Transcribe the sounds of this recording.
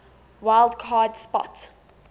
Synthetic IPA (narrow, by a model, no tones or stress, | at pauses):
waɪlˠdkʰaːdspɔ̰t